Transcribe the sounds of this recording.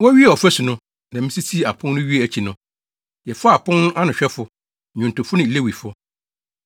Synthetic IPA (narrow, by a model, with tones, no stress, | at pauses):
wɔ˦ɥi˦ɛ˨ɔ˨fæ˦sʊ˨nʊ̃˦ | nã˨mɪ̃˦si˦tʰi˦˨a˨pʰʊ̃˦nnʊ̃˦ɥi˦ɛ˨æ˨t͡ɕʰi˨nʊ̃˦ | jɛ˨fɔ˦a˨pʰʊ̃˦nʊ̃˦ʔa˦nʊ̃˨ɕᶣɛ˦fʊ˨ | ɲᶣʊ̃˨n˨tʊ˨fʊ˦nɪ̃˨le˦wi˨fʊ˦